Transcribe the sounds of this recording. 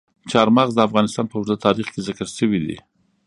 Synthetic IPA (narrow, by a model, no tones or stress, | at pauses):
t͡ʃɑɾmɑɣzd̪əafɣɑnɪst̪ɑnpəwʊɾzat̪ɑɾixkezɪkəɾʃəwid̪ḭ